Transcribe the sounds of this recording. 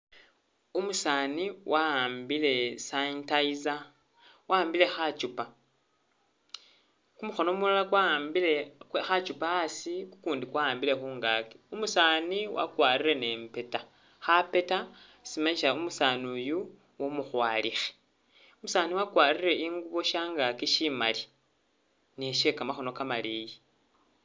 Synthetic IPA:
umusaːniwʔaaːmbile̞saintaiza | waːmbile̞xat͡ʃupa | kumuxo̞no̞mulalakwambile̞wexat͡ʃupaːsiku̥kuːndikwaaːmbile̞xuːŋɡaki̥umusaːniwa̰kwaːrire̞ne̞ːmpe̞ta | xape̞ta | simaɲiʃaumusanuju | womuxwaːlixe̥ | umusaːniwakwaːrire̞ʔiŋɡuβo̞ʃaːŋɡakiʃimali | neʃe̞kamaxo̞no̞kamaliji

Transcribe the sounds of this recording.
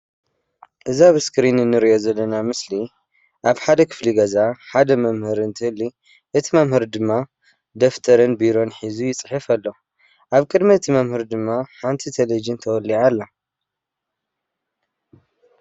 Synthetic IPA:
ʔɨzaβɨskɾinnːɨɾiʔo̞zɐlːɐnamɨsli | ʔaβħad̪ɐkʰɨ̥fliɡɐzaħad̪ɐmɐmhɨɾɨnt̪ʰɨhɨlːi | ʔɨt̪ʰimɐmhɨɾd̪ɨmːa | d̪ɐft̪ʰɐɾɨnbiɾo̞nħizujɪt͡sʼɨħɨfɐlːo̞ | ʔaβkʼɨd̪miɨt̪ʰimɐmhɨɾd̪ɨmːaħant̪ʰit̪ʰɐlɐd͡ʒɨnt̪ʰɐwɔlːiʕalːa

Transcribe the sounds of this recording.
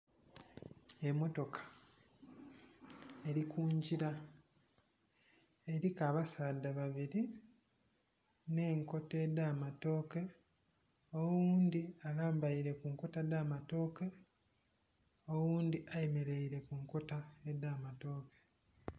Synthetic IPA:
e̞mo̞to̞kʰḁ | e̞ɾikʰuːɲɟiɾa | eɾikaːβasaːdaβaβiɾi | ne̞ːŋko̞teːdaːmato̞ːke̞ | owuːnd̪ialaːmbaiɾe̞kuŋko̞tadaːmato̞ːke̞ | owuːnd̪iʔajeme̞ɾe̞iɾe̞kuŋko̞taedːaːmato̞ːke̥

